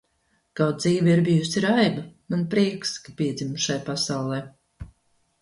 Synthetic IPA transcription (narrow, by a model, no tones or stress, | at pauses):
kawd̪̚ziːvʲiiɾbijusiɾajbamanpɾiɛkskḁpiɛd̪zʲimʃajpasawlˠɛj